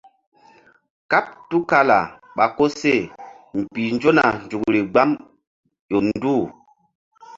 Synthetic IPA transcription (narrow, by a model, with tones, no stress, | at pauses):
ka˦p̚tu˦ka˦la̰˨ | ɓa˨ko˦se˦˨ | m̩˨pi˨n˦d͡ʒo˦na˨nd͡ʒu˨kɾi˨ɡ͡ba˦m | jo˨n˦du˦˨